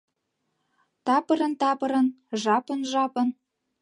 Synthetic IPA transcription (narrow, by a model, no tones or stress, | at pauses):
t̪ɑpə̆ɾə̆nt̪ɑpɤ̆ɾɤ̆n | ʒɑpə̆nʒɑpə̆n